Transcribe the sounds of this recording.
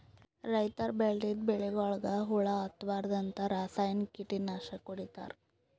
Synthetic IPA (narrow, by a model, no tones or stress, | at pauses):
ɾɐjt̪aɾbeɭɖid̪bɛɭeɡɔɭɐɡɐɦuɭɐːt̪ʋaːɾd̪ɐnt̪ɐɾaːsaːjɐnkiʈːinaːʂɐkoɽit̪a̰ːɾ